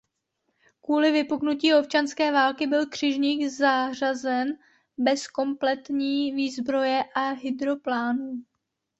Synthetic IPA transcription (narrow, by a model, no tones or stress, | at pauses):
kuːlɪvɪpuknuciːo̞p̚t͡ʃanskɛːvaːlkɪbɪlkr̥ɪʒɲiːɡzaːr̝azɛn | bɛsko̞mplɛt̪ɲiːviːzbɾo̞jɛʔaɦɪd̪ɾo̞plaːnuː